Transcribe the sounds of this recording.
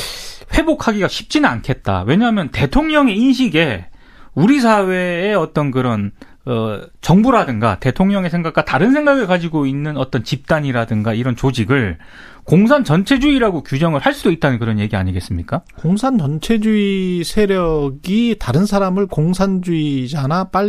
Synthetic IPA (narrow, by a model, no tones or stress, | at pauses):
ɸwe̞bokʰaɡiɡaɕʰi̥p̚t͡ɕ͈inɯnankʰe̞t̚t͈a̰we̞ɲaɦamjʌnte̞tʰoŋɲʌŋe̞inɕ̬ʰiɡe̞ | uɾisʰawe̞ːʌt͈ʌnkɯɾʌn | ʌt͡ɕʌŋbuɾadɯŋɡa̰te̞tʰoŋɲʌŋe̞sʰe̞ŋɡak͈̚ataɾɯnsʰe̞ŋɡaɡɯɭkad͡ʑiɡoinːɯnʌt͈ʌnt͡ɕip̚t͈aɲiɾadɯŋɡaiɾʌnt͡ɕod͡ʑiɡɯɭ | koŋsʰant͡ɕʌnt͡ɕʰe̞d͡ʑuiɾaɡokjud͡ʑʌŋɯɭhaɭs͈udoit̚t͈anɯnkɯɾʌnje̞ɡia̰ɲiɡe̞s͈ɯmɲik͈akoŋsʰant͡ɕʌnt͡ɕʰe̞d͡ʑuisʰe̞ɾjʌɡitaɾɯnsʰaɾamɯɭkoŋsʰand͡ʑuid͡ʑanap͈a